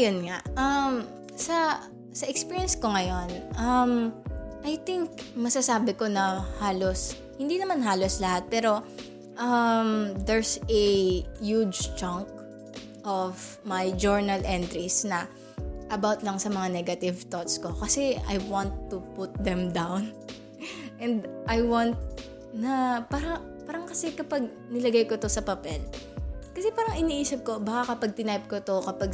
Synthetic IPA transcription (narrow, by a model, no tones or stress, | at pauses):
jonŋaʔɐm | sɐ | sɐʔɛkspiːɹjɛnskoŋɐjo̞nʔɐmʔɐjt̪ɪŋk̚mɐsɐsaːbɪko̞nɐhaːlos | hɪnd̪inɐmanɦaːloslɐhat̪̚pɛːɾo̞ | ʔɐmd̪ɛɹsɛjud͡ʒt͡ʃɐŋk̚ | ʔɔv | majd͡ʒɔɹnɐlʔɛnt̪ɾisnɐ | ʔɐbawt̪lɐŋsɐmɐŋanɛɡɐt̪ɪvt̪ot̪sko̞kɐsɛa̰jwɑnt̪ːupʊt̪̚d̪ɛmd̪awn | ʔɛ̃nd̪ʔajwãnt̪̚ | nɐpaːɾɐ | paːɾɐŋkɐsɛkɐpɐɡ̚ | nɪlɐɡajko̞t̪osɐpɐpɛlkɐsɛpaːɾɐŋɪniʔiːsɐp̚ko̞bɐkakɐpɐɡ̚t̪ɪnajp̚kot̪o̞kɐpɐɡ